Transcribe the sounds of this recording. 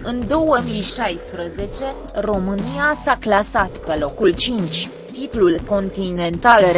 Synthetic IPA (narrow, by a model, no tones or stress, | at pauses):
ɨnd̪o̞wəmijʃajspɾəze̞t͡ʃe̞ | ro̞mɨnijasaklasat̪pe̞lo̞kult͡ʃint͡ʃʲ | t̪it̪lulko̞nt̪ine̞nt̪al